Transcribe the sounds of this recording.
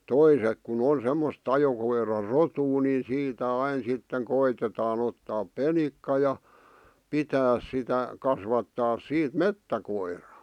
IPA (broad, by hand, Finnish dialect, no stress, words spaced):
toisek kun on̞ semːos ɑjokoirɑrotuː ni siːtæ ɑin sitːeŋ koitetɑːn otːɑːp penikːɑ jɑ pitæːs sitæ kɑsʋɑtːɑːs siːt metːækoirɑ̥ː